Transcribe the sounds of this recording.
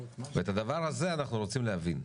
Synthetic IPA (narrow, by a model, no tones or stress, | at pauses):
veet̪ad̪avaʁhaze̞anaχnuɾo̞t͡simleɦavin